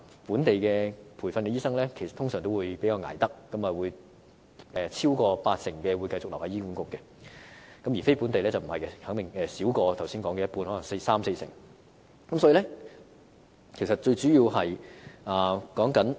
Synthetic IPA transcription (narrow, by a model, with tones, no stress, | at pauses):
puː˨˥nt̪e˨jkɛː˧pʰuː˨˩jfɐ˧nkɛː˧jiː˥sɐ˥ŋlɛː˥kʰe˨˩sɐ˩t̪ʰʊ˥ŋsœː˨˩ŋt̪o˥wuː˨˧jpe˨˥jkaː˧ŋa̰ː˨˩jt̪ɐ˥k̚ːɐ˨˥mɐ˨˩wuː˨˧j | ʔɛː˨t͡sʰiː˥wkɔː˧paː˧t̚sɪ˨˩ŋkɛː˧wu˨˧jkɐ˧jt͡sʊ˨k̚lwhaː˨˧jiː˥kuː˨˧˥nkʊ˨˧kːɛ˧ | kɐ˨˥mjiː˨˩fe˥jpuː˨˥nt̪e˨jlɛː˥t͡sɐ˨wm̩˨˩hɐ˨jkɛ˧hɐ˨˥ŋt̪ɪ˨ŋɛː˨˧siː˨˥wkɔː˧t̪ʰɐ˨˩wsiː˥nkɔː˨˧˥ŋkɛ˧˦jɐ˥tpuː˧nhɔː˨˥lɐ˨˩ŋse˧jsaː˥mse˧jsɪ̰˨˩ŋ | kɐ˨˦msɔ˨˥i˧lɛ˥ | kʰe˨˩jsɐ˨˩t̚t͡ʃɵ˧ɥt͡syː˨˥jiː˧whɐ˨jaː˨˩kɔː˨˥ŋkɐ˨˥n